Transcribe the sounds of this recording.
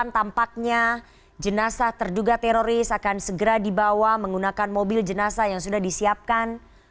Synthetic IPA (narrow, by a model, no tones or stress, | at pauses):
ant̪ampak̚ɲa | d͡ʒənasat̪ərduɡat̪ɛɾoɾɪsakansəɡəɾadibawaməŋɡunakanmobɪld͡ʒənasajaŋsudahdisiap̚kan